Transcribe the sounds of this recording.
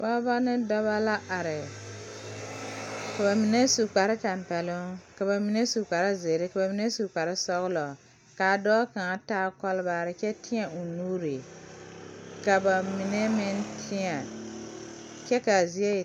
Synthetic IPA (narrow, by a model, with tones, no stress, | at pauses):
ba˦ba˦nɪ˦dɔ˦βa˦la˦ʔa˨ɾɪ˨ | ka˨ba˨mɪ˨nɛ˦su˨k͡pa˨ɾɪ˦ta˨mpɛ˨lʊ˦ka˨ba˨mɪ˨nɛ˦su˨k͡pa˨ɾa˦ze˨ɾɪ˦ka˨ba˨mi˨nɛ˦su˨k͡pa˨ɾɪ˦sɔ˦ɣlɔ˨ | ka˨dɔː˦kã˨taː˦kɔ˦lba˨ɾɪ˨kɛ˦tɪ˦a˨ʔu˨nu˦ɾe˨ | ka˨ba˨mɪ˨nɛ˦mɪ˦ntʰɪ˦a˨ | kɛ˦ka˨zi˦ɛ˦˨